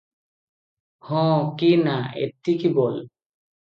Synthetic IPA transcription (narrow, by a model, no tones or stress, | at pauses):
hɔ̃kinaḛt̪ikibɔl